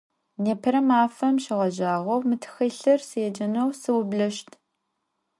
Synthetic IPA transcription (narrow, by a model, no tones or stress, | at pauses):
neːpʰɨɾɐmaːfɐmʃɪʁɐʒaːʁɐwmɨtʰɨ̥xɐɬɐrseːd͡ʒɐnɐwsɨwbɮɐʃtʰ